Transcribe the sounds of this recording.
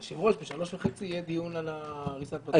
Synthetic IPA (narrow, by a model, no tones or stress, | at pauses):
ʃevʁoʃbeʃalo̞ʃveχet͡sijed̪ijunalaʁisaa